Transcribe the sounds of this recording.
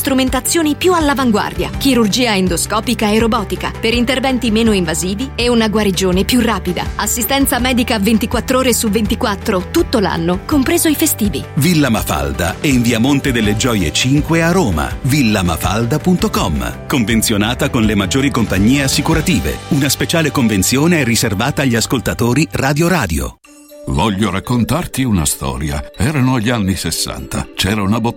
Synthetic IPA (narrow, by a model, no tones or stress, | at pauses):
st̪ɾument̪at̪sːjoːnipjualːavaŋɡwa̰rd̪ja̰k̟iɾurd͡ʒiːaend̪oskɔːpikaeɾobɔːt̪ika̰peɾint̪ervɛnt̪imeːnoiɱvaziːvieunaɡwaɾid͡ʒoːnepjurːaːpid̪a̰asːist̪ɛnt̪samɛːd̪ikavent̪ikwat̪ːɾoːɾesuvent̪ikwat̪ːɾot̪ut̪ːola̰nːokompɾeːzoifest̪iːvḭvilːama̰fa̰ld̪a̰ɛiɱviamont̪ed̪elːed͡ʒɔːjḛt͡ʃiŋkwearoːma̰vilːama̰fa̰ld̪apunt̪okɔmkoɱvent̪sjonaːt̪akonlemad͡ʒːoːɾikompaɲːiːeasːikuɾat̪iːvḛunaspet͡ʃaːlekoɱvent̪sjoːneɛriservaːt̪aːʎːiaskolt̪at̪oːɾiraːd̪joɾaːd̪jo̰ | vɔʎːoɾakːont̪art̪iuna̰st̪ɔ̰ːɾja̰ɛːɾanoaʎːanːisesːa̰nt̪a̰t͡ʃɛːɾaunabo